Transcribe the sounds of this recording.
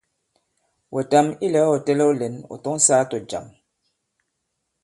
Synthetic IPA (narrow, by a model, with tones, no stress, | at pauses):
wʔe˨ta˦mi˦lɛ˨˦o˨tɛ˦lɛ˦o˦le˨no̰˨tɔ˦ŋ˦saː˦to˨d͡ʒa̰˨m